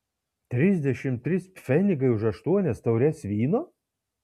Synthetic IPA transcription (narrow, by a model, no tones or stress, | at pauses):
t̪ʲɾʲɪzʲd̪ʲɛʃʲɪmt̪ʲɾʲɪspʲfʲɛnʲɪɡɐɪʊʃɐʃt̪uɔnʲɛst̪ɐʊɾʲɛsʋʲiːnoː